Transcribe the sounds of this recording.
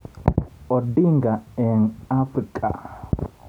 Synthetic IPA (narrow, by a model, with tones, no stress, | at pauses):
ɔ˨di˦ŋɡa˨ɛ˨nafɾikʼa̰˨